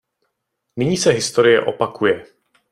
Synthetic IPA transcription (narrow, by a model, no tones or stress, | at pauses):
nɪɲiːsɛɦɪst̪o̞ɾɪjɛ̰ʔo̞̰pakujɛ